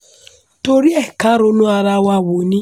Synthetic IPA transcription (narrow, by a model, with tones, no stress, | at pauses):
to˨ɾi˦ɛ˦˨ka˦ɾo˦nʊ˦a˨ɾa˦wa˦˨wo˨ni˦